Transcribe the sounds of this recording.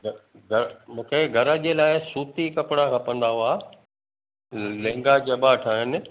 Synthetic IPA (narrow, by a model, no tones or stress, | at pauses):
ɡ | ɡʱɐɾmũːkʰeɡʱɐɾəd͡ʑeːlaːɪsuːt̪ikɐpɽ̃ãkʰãːpɐ̃nd̪aːɦoaː | lẽːŋɡad͡ʑɐbaʈʰaːɦɪnɪ̆